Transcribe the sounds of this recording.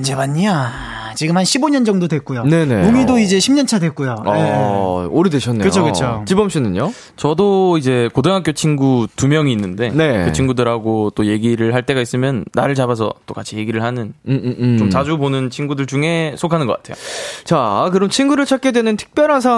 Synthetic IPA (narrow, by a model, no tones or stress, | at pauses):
nd͡ʑemaɲːia | t͡ɕiɡɯmhanɕʰiboɲʌnd͡ʑʌŋdodwek͈ujone̞ne̞mumidoid͡ʑe̞ɕʰimɲʌnt͡ɕʰadwe̞k͈ujoaeoɾedeɕʰʌnːeɯt͡ɕʰokɯt͡ɕʰot͡ɕibʌmɕ͈inɯɲo | t͡ɕʌdoid͡ʑe̞kodeŋɦak͈jot͡ɕʰinɡutumjʌŋiːnːɯnde̞ne̞kɯt͡ɕʰinɡudɯɾɦaɡot͈oje̞ɡiɾɯɭɦaɭt͈e̞ɡais͈ɯmjʌnːa̰ɾɯɭt͡ɕabas̬ʰʌ̰t͈okat͡ɕʰije̞ɡiɾɯɭhanɯnt͡ɕomt͡ɕad͡ʑubonɯnt͡ɕʰinɡudɯɭt͡ɕuŋe̞sʰokʰanɯnɡʌk͈atʰe̞jot͡ɕakɯɾʌmt͡ɕʰinɡuɾɯɭt͡ɕʰak̚k͈edwenɯntʰɯ̥k̚p͈jʌɾɦansʰa